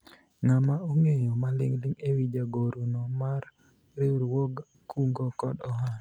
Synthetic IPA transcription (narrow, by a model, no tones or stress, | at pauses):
ŋamauŋejɔmalɪŋlɪŋewid͡ʒaɡoɾunɔmaɾ | ɾɪɾwoɡ | kuŋɡokɔdɔɦan